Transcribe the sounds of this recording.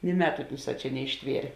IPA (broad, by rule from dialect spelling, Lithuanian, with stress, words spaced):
nʲɪ ˈmʲæːtʊ ˈʊnˌsɑː ˈt͡ʃʲɛ nʲɛɪʃʲˈtʲʋʲiɛrʲeː